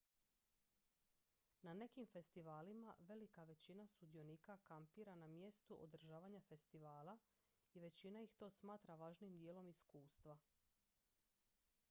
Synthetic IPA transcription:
nane̞kimfe̞st̪iʋaːlimaʋe̞likaʋe̞t͡ɕinast̪ud̪io̞nikakampiːɾanamje̞st̪uʔo̰d̪r̩ʒaːʋaɲafe̞st̪iʋaːla | iʋe̞t͡ɕinaixt̪o̞ːsmaːt̪ɾaʋaːʒnimd̪jelo̞miskuːst̪ʋa

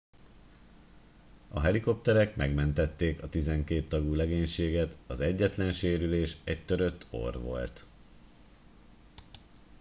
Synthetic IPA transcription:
ɒɦɛliko̞p̚t̪ɛɾɛkmɛɡmɛnt̪ɛt̪ːeːkɒt̪izɛŋkeːt̪ːɒɡuːlɛɡeːɲʃeːɡɛt̪ɒzɛɟːɛt̪lɛnʃeːɾyleːʃɛc̚t̪øɾø̞t̪ʰːo̞̰rʋo̞̰lt̪

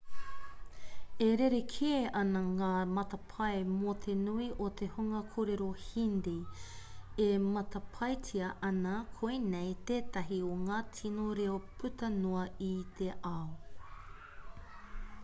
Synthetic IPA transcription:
eɾeɾekʰieʔɐnɐŋaːmɐt̪ɐpʰɐemot̪ʰenuiʔot̪ʰehuŋɐkʰoːɾeɾohinde | emɐt̪ɐpʰɐjtʰiɐʔɐnɐkʰojnejt̪eːt̪ɐɦioŋaːtʰinoɾeopʰʉt̪ɐnoɐit̪ʰeʔɐo

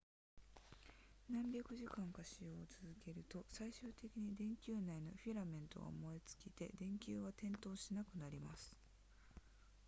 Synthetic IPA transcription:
nãmbʲakɯ̟ʑikãŋkaɕijo̞ːt͡sɨzɨke̞ɾɯ̟t̪o̞saiɕɨːt̪e̞kʲiɲ̟id̪ẽ̞ŋkʲɨːnaino̞̰ɸʲiɾamẽ̞nt̪o̞ɡa̰mo̞et͡sɨ̥kʲit̪e̞̰d̪ẽ̞ŋkʲɨːβat̪ẽ̞nt̪o̞ːɕinakɯ̟naɾʲimasɨ̥

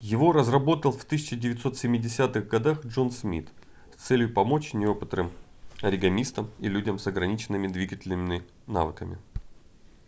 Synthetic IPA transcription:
jɪvo̞ɾəzrɐbo̞t̪əlˠft̪ɨsʲɪt͡ɕɪdʲɪvʲɪt̪so̞t̪sʲɪmʲːɪdʲɪsʲat̪ɨɣɡɐd̪axʐo̞nsmʲḭt̪ | st̪sɛlʲjʊpɐmo̞t͡ɕnʲɪo̞pɨt̪rɨm | ɐɾʲɪɡɐmʲist̪əmilʲudʲəmsɐɡɾɐnʲit͡ɕɪnːɨmʲɪd̪vʲiɡətʲɪlʲnɨmʲɪɪ | na̰vɨkəmʲɪ̰

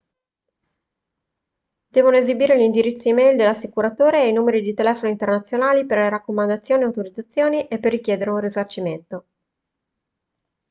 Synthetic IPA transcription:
d̪̥ɛːvonoezibiːɾelind̪iɾit̪sːoimɛjld̪elːasːikuɾat̪oːɾeajnuːmeɾid̪it̪elɛːfonoint̪ernat̪sːjonaːliperleɾakːomand̪at̪sːjoːniawt̪oɾid̪zat̪sːjoːniʔepːerːikjɛːd̪eɾeunrizart͡ʃiment̪o

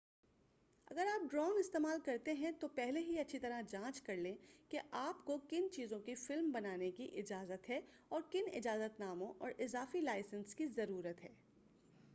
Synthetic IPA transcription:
ɐ̰ɡəɾaːp̚ɖɾɔːnɪst̪eːmaːlkɐɾt̪eɦɛ̃t̪opɛɦleɦiɐtːʃʰit̪ɐɾad͡ʒãːt͡ʃkɐɾlẽːkeʔaːpkokɪnt͡ʃiːzõkifɪlmbɐnaːnekiʔɪd͡ʒaːzət̪ɦɛ | ɔːɾkɪnɪ̰d͡ʒaːzət̪naːmõʔɔ̰ːɾʔɪzaːfilaːɪsə̃nskizɐɾuːɾət̪ɦɛː

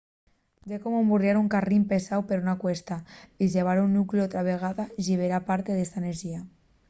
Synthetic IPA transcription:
d̪ekomombuɾjaɾuŋkarimpesawpeɾunakwest̪aizeβ̞aɾunːukliot̪ɾaβeɣ̞aðaʒiβ̞eɾapaɾt̪eðest̪aeneɾʒia

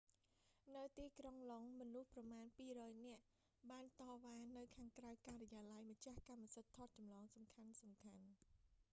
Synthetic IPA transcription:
nɨwt̪iːkroŋloŋmɔnuhprɑmaːnpiːrɔːjnɛ̆əʔ | ɓaːnt̪ɑːʋaːnɨwkʰaːŋkrawkaːrɛjaːlajmət͡ɕahkamːasət̪ʰːot̪̚t͡ɕɑmlɑːŋsɑmkʰansɑmkʰan

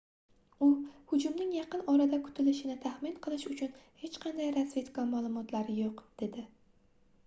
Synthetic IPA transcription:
ʊhʊd͡ʒʊmnɪŋjɑqɨnɒɾad̪akʰʊ̥t̪ʰɪlɪʃɪnɪt̪ʰahmɪnqʰɨlˠɪʃʊt͡ʃʰʊnhe̞t͡ʃqʰɑnd̪ajɾasve̞t̪kɒmalˠʊmɒt̪ʰlaɾɪjoqd̪̥e̞d̪ɪ

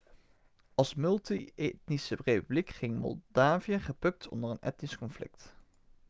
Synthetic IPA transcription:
ʔɑlˠsmɵlˠtietnisərepyblikχɪŋmɔ̰lˠdaːvijəχəpɵk̚tʰɔ̰ndərənɛ̰tniskɔnflɪ̰kt

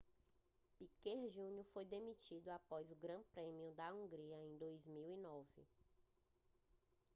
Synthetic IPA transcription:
pikeɾʒũɲʊfojd̪emit͡ʃid̪ʊapɔzʊɡɾɐ̃pɾẽmiʊd̪ɐũɡɾiɐẽj̃d̪ojzmiwinɔvɪ̰

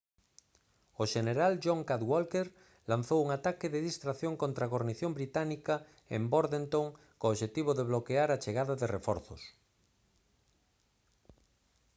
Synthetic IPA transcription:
oʃeneɾalʒoŋkaðwolkeɾ | lan̟θowuŋat̪akɪðeðist̪ɾaθjoŋkõnt̪ɾaɣoɾniθjõmbɾit̪anika | ḛmboɾðent̪oŋ | koːβʃet̪iβ̞oðeβ̞lokeaɾat͡ʃeɣaðaðerefɔɾθo̰s

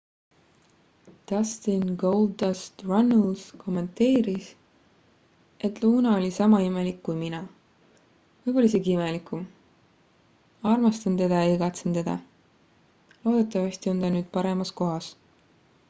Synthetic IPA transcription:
d̪̥ɑst̪inɡowld̪ɑst̪rɑnːlskʰo̞mːe̞nt̪e̞ːɾis | e̞t̪ˑluːnɑo̞lʲisɑmɑime̞likːujminɑ | vɤjb̥olis̬iɡiimelikum | ɑrmɑst̪ɑnt̪e̞d̪̥ɑjɑiɡɑt̪sent̪e̞d̪̥ɑ̰ | lo̞ːd̪̥et̪ːˑɑvɑst̪io̞nt̪ɑnyːd̪̥̚pɑɾe̞mɑsko̞ɦɑs

